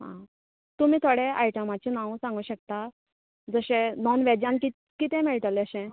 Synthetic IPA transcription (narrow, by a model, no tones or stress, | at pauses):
ɦã̰ | t̪umiːt̪ʰoɽeʔajʈəmat͡ɕinãwsãŋɡuːɕək̚t̪a | d͡zəɕẽnɔnʋed͡ʑãnki | kit̪ɛ̃mɛɭt̪əlɛəɕɛ̃